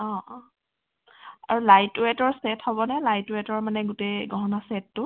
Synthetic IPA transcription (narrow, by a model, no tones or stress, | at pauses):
ɔ̃ | aɹulajtuɛtɔɹsɛthɔbɔnɛlajtuɛtɔɹmanɛɡutejɡɔɦɔnasɛtːʊ